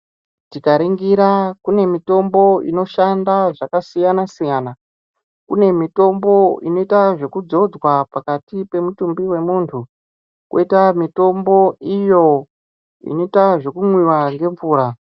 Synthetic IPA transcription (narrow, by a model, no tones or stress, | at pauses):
tikaɾiŋɡiɾakune̞mito̞mbo̞ḭno̞ʃandaʐakasijanasijana | kṵne̞mito̞mbo̞ino̞itaʐe̞kud͡zo̞d͡zwapakatipe̞mutumbiwe̞muntʰu | kwo̰itamito̞mbo̞ijo̞ | ḭno̞itaʐo̞kumwiwaŋɡe̞ɱvuːɾa